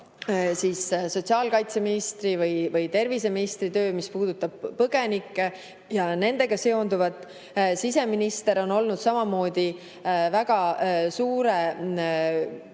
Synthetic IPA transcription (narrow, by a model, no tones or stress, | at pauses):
siːsso̞tʲsiɑːlkɑjt̪se̞minist̪rivɯjvɯjt̪e̞rvise̞minist̪rit̪ø̞ːmispuːd̪̥ut̪ːˑɑb̥̚pɤɡ̥e̞nikːˑe | jɑne̞nd̪e̞ɡ̥ɑse̞ond̪uvɑt̪ːˑ | sise̞minist̪e̞ɾo̞no̞lnud̪̥sɑmɑmo̞ːd̪̥ʲi | væɡ̥ɑsuːɾe